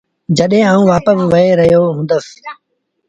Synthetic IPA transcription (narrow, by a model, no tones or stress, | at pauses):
d͡ʒəɗɦẽːaːũːʋaːpəbʋəeːɾəɦjoːɦũːnd̪əs